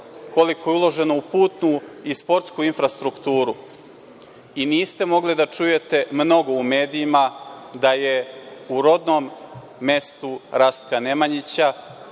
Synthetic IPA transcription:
ko̞liko̞jeulˠo̞ʒe̞noupuːt̪nuispo̞ɾt̪skuinfɾast̪ɾukt̪uːɾu | iniːst̪e̞mo̞ɡlid̪at͡ʂuje̞t̪e̞mno̞ɡo̞ume̞ːd̪iimad̪aje̞uɾo̞d̪nomː | e̞st̪uɾast̪̚kane̞maɲit͡ɕa

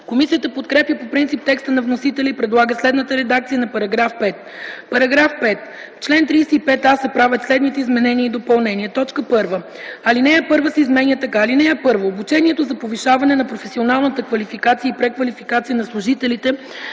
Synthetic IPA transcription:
komisijət̪əpot̪kɾɛpjəpopɾint̪ip̚t̪ɛkst̪ənɐvnosit̪ɛlʲəipɾɛd̪lˠaɡəslɛd̪nət̪əɾɛd̪akt̪sijənɐpɐɾɐɡɾafpɛt̪ | pɐɾɐɡɾafpɛt̪ | t͡ʃlɛnt̪ɾijsɛipɛt̪asɐpɾavʲət̪slɛd̪nit̪ɛizmɛnɛniəid̪opɐlˠnɛniɛt̪ɔt͡ʃkəpɤɾvə | ɐlinɛjapɤɾvəsɛizmɛnjət̪ɐkaːlinɛjapɤɾvoːbut͡ʃɛniɛt̪ozɐpoviʃavɐnɛnɐpɾofɛsionalˠnət̪əkvɐlifikat̪sijəipɾɛkvɐlifikat̪sijənɐslˠʊʒit̪ɛlit̪ɛ

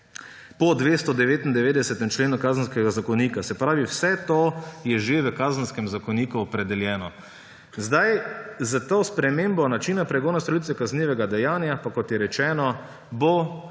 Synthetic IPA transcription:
pɔd̪ʋeːst̪ɔd̪ɛʋeːt̪ind̪ɛʋeːd̪ɛsɛt̪ɛmt͡ʃleːnukaːzənskɛɡazakɔniːkasɛpɾaːʋiwsɛt̪ojɛʒeʋəkaːzən̩skɛmzakɔniːkuɔpɾɛd̪ɛljɛːnɔ | zd̪ajzat̪oːspɾɛmeːmbɔnat͡ʃiːnapɾɛɡoːnast̪ɔlit̪sʋɛkazniʋɛɡad̪ɛjaːnjapakɔt̪jɛɾɛt͡ʃɛːnɔ | bo

